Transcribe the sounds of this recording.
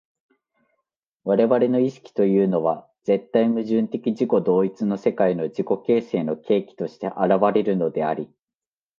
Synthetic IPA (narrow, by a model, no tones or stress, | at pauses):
βaɾe̞βaɾe̞no̞iɕi̥kʲi̥t̪o̞jɯ̟ːno̞βa | d͡z̥e̞t̪ːaimɯ̟ʑɨ̃nt̪e̞kʲiʑiko̞d̪o̞ːit͡sɨno̞se̞kaino̞d͡ʑiko̞ke̞ːse̞ːno̞kʰe̞ːkʲi̥t̪o̞ɕi̥t̪e̞ʔaɾaβaɾe̞ɾɯ̟no̞d̪e̞a̰ɾʲi